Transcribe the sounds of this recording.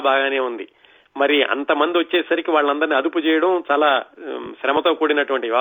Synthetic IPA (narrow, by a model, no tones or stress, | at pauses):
bʱaːɡaːne̞ːund̪i | mɐɾiʔɐ̰nt̪ɐmɐnd̪iʋɐt͡ʃːe̞ːsɐɾikiʋaːɭːɐnd̪ɐɾniɐd̪uput͡ʃɛːjɐɽɐmt͡ʃaːlaːʃɾɐmɐt̪o̞ːkuːɽinɐʈuʋɐɳʈiʋaː